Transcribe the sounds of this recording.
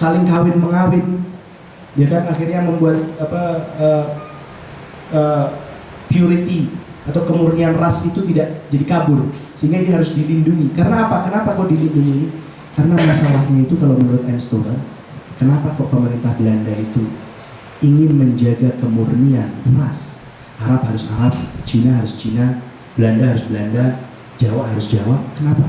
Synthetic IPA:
salɪŋkawɪnməŋawɪn | biadaŋaxirɲaməmbuat̪̚apaə | əː | piuɾit̪i | at̪awkəmurnianrasit̪ut̪idaʔd͡ʒadikabʊrsəɦiŋɡainiɦaɾʊsdilinduŋikaɾənaːpakənapakoʔdilinduŋi | kaɾənamasalahɲait̪ukalawmənuɾʊt̪̚ɛnst̪oɾar | kənapakopəməɾint̪ahblandait̪u | iŋɪnməɲd͡ʒaɡakəmurnianras | aɾaphaɾʊsa̰ɾap̚t͡ʃinaɦaɾʊst͡ʃina | bəlandaɦaɾʊsbəlanda | d͡ʒawaʔɦaɾʊsd͡ʒawap̚kənapa

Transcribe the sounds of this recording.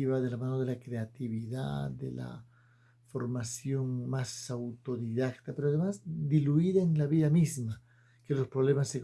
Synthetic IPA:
iβaðe̞lamãnoðe̞lakɾeat̪iβiða̰d̪ḛla̰ | fo̞ɾmasjo̞ŋmasawt̪o̞ðiðak̚t̪apeɾoaðemazd̪iluiðaenlaβiðamizma | kelo̞spɾo̞βlemasːeɣ

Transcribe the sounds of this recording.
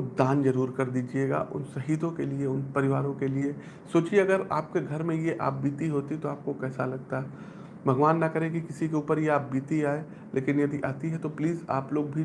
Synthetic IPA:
d̪ãːnd͡ʒɐɾuːɾkɐɾd̪iːd͡ʒieːɡa̰ʔʊ̰nsɐɦiːd̪õkelieʊnpɐɾɪʋaːɾõkelie | soːt͡ʃieɐɡəɾa̰ːp̚keɡʱɐɾmẽjeʔa̰ːp̚biːt̪iɦoːt̪it̪oaːp̚kokɛːsalɐɡ̚t̪aɦɛ | bʱɐɡʋaːnːɐkɐɾekikɪsikeuːpəɾjeaːp̚biːt̪iaːe | lʔeːkɪnjɐd̪iʔaːt̪iɦɛt̪opliːza̰ːploːɡ̚bʱi

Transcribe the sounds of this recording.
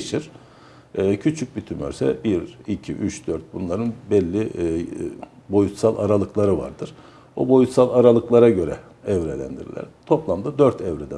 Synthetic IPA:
ʃiɾ̥ | cʰyt͡ʃʰyc̚bit̪ʰymø̰ɾsɛ̰biɾicʰḭʔyt͡ʃd̪øɾt̪̚bunlˠaɾɯnbɛlʲːi | bo̞jut̪salˠʔaɾalˠɯklˠaɾɯva̰ɾd̪ɯɾ̥ | o̰bo̞jut̪salˠaɾalˠɯklˠaɾaɟø̞ɾɛ̰ | ɛvɾɛlʲæ̰nd̪iɾḭlʲæ̰ɾt̪ʰo̞plˠamd̪ad̪øɾt̪ʰɛvɾɛd̪æ

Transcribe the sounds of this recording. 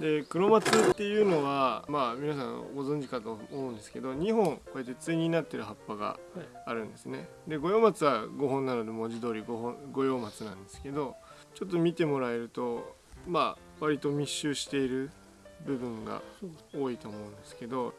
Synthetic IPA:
d̪e̞kɯ̟ɾo̞mat͡sɨt̪ːe̞jɯ̟ːno̞βamamʲinas̬ãŋ̰ɡo̞zõ̞ɲ̟d͡ʑikat̪o̞moɯ̃nd̪esɨ̥ke̞d̪o̞ɲ̟iɦõ̞ŋko̞e̞t̪̬ːe̞t͡sɨiɲ̟inat̪ːe̞ɾɯ̟ɦapːaɡa̰ː | ɾɯ̟̃nd̪e̞sɨne̞ | d̪e̞ɡo̞jo̞ːmat͡sɨβaɡo̞ɦõ̞nːano̞d̪e̞mo̞ʑid̪o̞ːɾʲiɡɡo̞jo̞ːmat͡sɨnã̰nd̪e̞sɨ̥ke̞d̪o̞ | t͡ɕo̞t̪ːo̞mʲit̪e̞mo̞ɾae̞ɾɯ̟t̪o̞ | ma | βaɾʲit̪o̞mʲiɕːɨːɕi̥t̪e̞iɾɯ̟ | bɯ̟bɯ̟̃ŋɡa̰oːit̪o̞ːmo̞ɯ̟̃nd̪e̞sɨ̥ke̞d̪o̞

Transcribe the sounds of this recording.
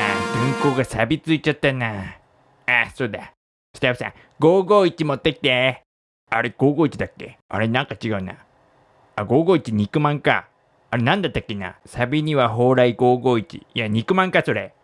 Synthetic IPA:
a̰ɡʲĩŋko̞ːɡasabʲit͡sɨit͡ɕat̪ːanaː | asoːd̪a | sɨ̥t̪abɯ̟sã̰ | ɡ̥o̞ːɡo̞ːit͡ɕimo̞t̪ːe̞kʲi̥t̪e̞ | aɾe̞ɡ̥o̞ːɡoːit͡ɕid̪akːe̞̰a̰ɾe̞nãŋkat͡ɕiɡaɯ̟na̰ | aɡo̞ːɡo̞ːit͡ɕiɲ̟ikɯ̟mãŋka̰ː | ɾe̞nãnd̪at̪ːakːena̰sabʲiɲ̟iβaɦo̞ːɾaiɡo̞ːɡo̞ːit͡ɕḭaɲ̟ikɯ̟mãŋkaso̞ɾe̞

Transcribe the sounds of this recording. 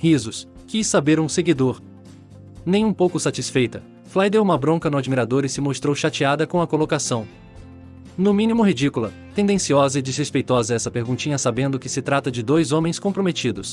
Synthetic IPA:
hizʊs | kisːabeɾũseɡid̪oɾ | nẽj̃ũpowkʊsat͡ʃisfejt̪ɐ | flajd̪ewũmɐbɾõkɐnʊad͡ʒmiɾad̪oɾɪsɪmost̪ɾowʃat͡ʃiad̪ɐkõɐkolokasɐ̃w̃ | nʊmĩnimʊɦid͡ʒikulɐ | t̪ẽnd̪ẽsiɔzɐɪd͡ʒɪz̥hespejt̪ɔzɐɛsɐpeɾɡũnt͡ʃĩɲɐsabẽnd̪ʊkɪsɪt̪ɾat̪ɐd͡ʒɪd̪ojzõmẽj̃skõpɾomet͡ʃid̪ʊs

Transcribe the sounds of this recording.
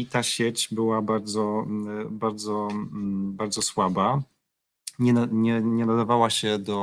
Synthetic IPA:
it̪aɕɛt͡ɕbɘwabaɾd̪zɔbaɾd̪zɔ | baɾd̪zɔswaba | ɲɛaɲɛɲɛnad̪avawaɕɛd̪ɔ

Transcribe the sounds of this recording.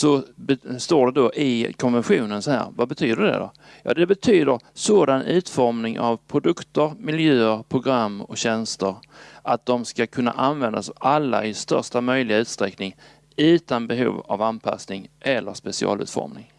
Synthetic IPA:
sɔst̪oːɖɛd̪ɔʔɪkʰɔnvɛnɧuːnənsɔhæ̰ːɾvabɛt̪ʰyːd̪əɖ̪ɛ̰d̪o | jɑ̰ːd̪ɛbɛt̪ʰyːd̪əɾsoːd̪anʉ̟ːt̪fɔɾmnɪŋʔavpʰɾʊd̪ɵkt̪əɾmɪljøːəɾpʰɾʊɡɾamːɔ̰ɕɛnst̪əɾʔat̪̚d̪ɔmskakʰɵnːa̰ʔanvɛnd̪asalːa̰ɪst̪œ̰ʂʈamœjlɪɡaʉ̟ːt̪st̪ɾɛknɪŋ | ʉ̟ːt̪anbɛɦṵːva̰vanpʰa̰snɪŋʔɛlːəɾspɛsɪɑ̰ːlʉ̟ːt̪fɔ̰ɾmnɪŋ

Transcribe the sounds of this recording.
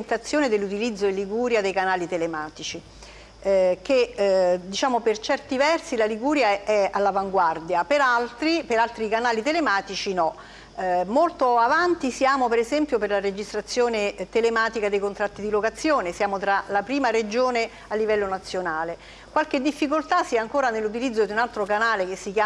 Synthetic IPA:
nt̪at̪sːjoːned̪elːut̪̬ilid̪zːoelːiɡuːɾjad̪ejkanaːlit̪elemaːt̪it͡ʃi | k̟ed̪it͡ʃaːmopert͡ʃɛrt̪ivɛrsilaliɡuːɾjaɛalːavaŋɡward̪japeɾalt̪ɾipeɾalt̪ɾikanaːlit̪elemaːt̪it͡ʃinɔ | molt̪oavant̪isjaːmopeɾezɛmpjoperlaɾed͡ʒist̪ɾat̪sːjoːnet̪elemaːt̪ikad̪ejkont̪ɾat̪ːid̪ilokat̪sːjoːnesjaːmot̪ɾalapɾiːmaɾed͡ʒoːne | alːivɛlːonat̪sːjonaːle | kwalked̪ːifːikolt̪asiaaŋkoːɾanelːut̪̬ilid̪zːod̪iunalt̪ɾokanaːlek̟esːikjaː

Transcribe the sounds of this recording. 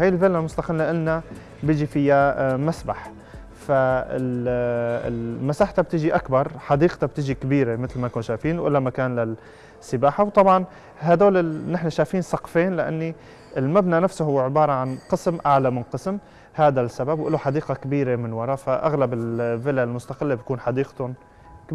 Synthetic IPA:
haːjɪlvɪlalmʊst̪ɑqɪlːaʔanːa | bɪd͡ʒifɪjːamasbaħ | faɪ̰l | ɪ̰lmasaːħt̪ab̚t̪ɪʒiʔakbɑɾˤħɑd̪iːqt̪ab̚t̪ɪʒikabiːɾemɪt̪lmankuːnʃaːfiːnwʔɪlːamakaːnla | sːɪbaːħawt̪ˤɑbʕɑn | ɦad̪oːlɪnɪħnaʃaːfiːnsˤɑqfeːnlɪʔa̰nːi | ɪlmabnanafsʊhʊwːʕɪbɑːɾˤɑʕanqɨsmʔaʕlamɪnqɨsm | haːd̪asːababwʔɪloħɑd̪iːqɑkabiːɾemɪnwɑɾˤɑːfaʔa̰ɣlabɪlvɪlalmʊst̪aqɪlːebt̪kuːnħɑd̪iːqt̪ʊn | k

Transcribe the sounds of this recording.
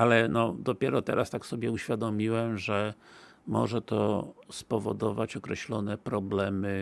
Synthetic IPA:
alɛnɔd̪ɔpʲjɛɾɔt̪ɛɾast̪aksɔbʲjɛuɕfʲjad̪ɔmʲiwɛmʐɛ | mɔ̰ʐɛt̪ɔ̰spɔvɔd̪ɔvat͡ɕɔkɾɛɕlɔnɛpɾɔblɛmɘ

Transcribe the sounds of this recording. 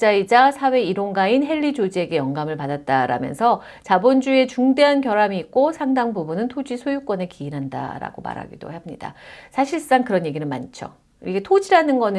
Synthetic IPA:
t͡ɕ͈aid͡ʑasʰawe̞iɾoŋɡainɦe̞ɭːid͡ʑod͡ʑie̞ɡe̞jʌŋɡamɯɭpadat̚t͈aɾa̰mjʌ̰nsʰʌ | t͡ɕabond͡ʑue̞t͡ɕuŋde̞ɦankjʌɾamiːk̚k͈osʰaŋdaŋbubunɯntʰod͡ʑisʰojuk͈ʌne̞kiːɾɦanda̰ɾa̰ɡ̥oma̰ɾɦa̰ɡido̰hamɲida̰sʰaɕʰiɭs͈aŋkɯɾʌnje̞ɡinɯnma̰nt͡ɕʰo̰ | iɡe̞tʰod͡ʑiɾanɯnɡʌn

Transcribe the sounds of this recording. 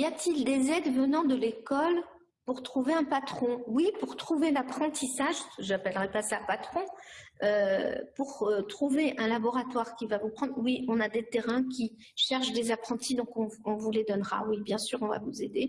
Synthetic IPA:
jat̪ild̪ezɛd̪vənɑ̃d̪əlekɔl | puʁt̪χuveɛ̃pat̪χɔ̃wipuʁt̪χuvelapχɑ̃t̪isaʒʒapɛlʁɛpasapat̪χɔ̃ | øpuʁøt̪χuveʔɛ̃labɔʁat̪waʁkʲivavupχɑ̃d̪ʁwiɔ̃nad̪et̪eʁɛ̃kʲi | ʃɛʁʃd̪ezapχɑ̃t̪id̪ɔ̃kɔ̃ɔ̃vuled̪ɔnʁa̰wibjɛ̃syʁɔ̃va̰vuzed̪e

